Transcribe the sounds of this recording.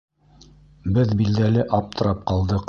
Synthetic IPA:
bɘðbild̪ælɘʔɑp̚t̪ɤ̆ɾɑp̚qɑlˠd̪ɤq

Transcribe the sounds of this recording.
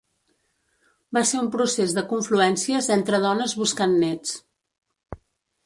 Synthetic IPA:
baseɾumpɾusezðəkuɱfluɛnsiəzent̪ɾəð̞ɔnəzβuskanːɛt͡s

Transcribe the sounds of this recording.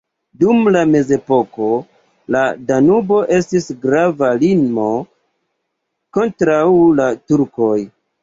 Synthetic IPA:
dumlame̞ze̞po̞ko̞ | ladanubo̞ʔe̞stisɡɾavaliŋmo̞ | ko̞ntɾawlatuɾko̞j

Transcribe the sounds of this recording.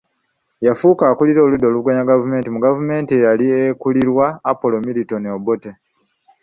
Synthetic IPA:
jafuːkaːkuliɾo̞ːludːo̞ːluɡaɲaɡavume̞ːntimuɡavume̞ːntijaliekuliɾwaːpo̞lo̞miɾito̞niobo̞te

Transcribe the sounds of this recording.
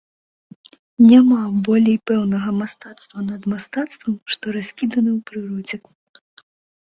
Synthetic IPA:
nʲamabɔlʲejpɛwnɐɣɐmast̪at̪st̪vɐnɐd̪mast̪at̪st̪vɐmʂt̪ɔɾasʲkʲid̪ɐnɨwpɾɨɾɔd͡zʲɛk

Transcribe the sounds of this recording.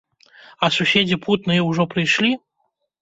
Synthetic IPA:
ɐsusʲed͡zʲiput̪nɨjɛwʐɔpɾɨjʂlʲi

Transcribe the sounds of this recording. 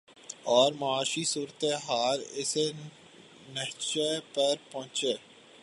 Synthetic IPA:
ɔːɾmɐaːʃisuːɾt̪eɦaːlɪse | nəɦt͡ʃepɐɾpɔ̃ːt͡ʃeː

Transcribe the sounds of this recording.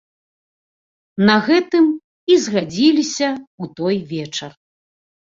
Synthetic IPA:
nɐɣɛt̪ɨm | izɣad͡zʲilʲisʲɐut̪ɔjvʲɛt͡ʂɐr

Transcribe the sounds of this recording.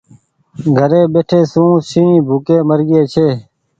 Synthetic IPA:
ɡʱəɾeːbeːʈʰeːsũːsĩːbʱuːkeːməɾɡeːt͡ʃʰeː

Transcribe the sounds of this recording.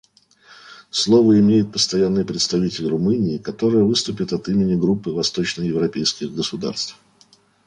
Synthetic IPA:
slˠo̞vəɪmʲejɪt̪̚pə̥st̪ɐjanːɨjpɾʲɪt̪st̪ɐvʲitʲɪlʲrʊmɨnʲɪːkɐt̪o̞ɾəjəvɨst̪ʊpʲɪt̪ɐt̪imʲɪnʲɪɡɾupːɨvɐst̪ot͡ɕnəjɪvɾɐpʲejskʲɪɣɡəsʊd̪a̰rst̪f

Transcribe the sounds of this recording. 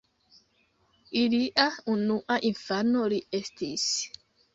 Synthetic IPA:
iliʔaunuʔaʔinfanoliestis

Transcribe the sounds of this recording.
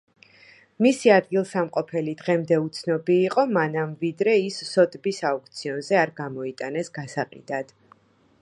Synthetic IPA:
misiad̪ɡilˠsamqʼɔpʰɛlid̪ʁɛmd̪ɛut̪sʰnɔbiːqʼɔmanamvid̪ɾɛisːɔd̪ʼbisauk̚ʰt̪sʰiɔnzɛaɾɡamɔit̪ʼanɛsɡ̥asaqʼḭd̪ad̪̥

